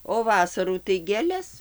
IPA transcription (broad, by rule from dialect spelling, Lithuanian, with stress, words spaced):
oː ˈʋɑːsɐruː tɐɪ ɡʲeːˈlʲɛs